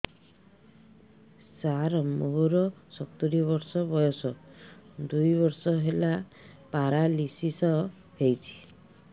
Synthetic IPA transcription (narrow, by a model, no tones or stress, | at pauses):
saɾɔmoɦuɾɔsɔt̪uɾiβɔɾsɔbɔjɔsɔ | d̪ujbɔɾsɔɦelapaɾalisisɔ | ɦejt͡ʃʰi̥